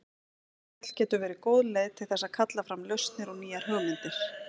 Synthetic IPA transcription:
ɛt̪l̥cɛːt̪ʏvɛːɾɪkoːwðleːjðt̪ʰɪlθɛsːaðkʰat̪lafɾamljœɥst̪nɪɾɔɣniːjaɾ̥ɦœːɣmɪnt̪ɪɾ̥

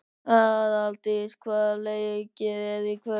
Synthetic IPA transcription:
aðalt̪iskʰvalejcɪɛðikʰvɛ

